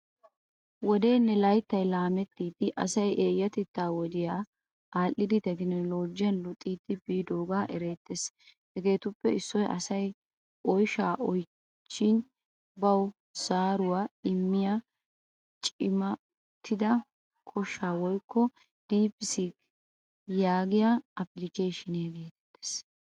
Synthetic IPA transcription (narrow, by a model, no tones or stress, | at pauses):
wɔd̪e̞ːnːɛlɐjt̪ːɐjlaːmɛt̪ːiːt̪ɪʔɐ̰sɐjʔeːjːɐt̪ɛt̪ːaːwɔd̪ɪjaː | aːlːɪd̪ɪt̪ɛɡɪnɛlo̞ːd͡ʒːɪɐnlʊt̪ʼːiːt̪ːɪbiːd̪oːɡaːʔɛɾe̞ːt̪ːes | hɛɡe̞ːt̪ʊpːɛɪsːɔjʔɐ̰sɐj | ɔjʃaːʔɔj | t͡ʃːɪn | bɐw | saːɾʊwaːɪmːɪja | t͡ʃʼɪmɐ | t̪ʰːɪd̪ɐ | kʰɔʃːaːwɔjkʰːɔ | d̪̥iːpsik | jaːɡɪjaːɐplɪkeːʃɪnɐɡeːt̪ɛ̥t̪ːe̥s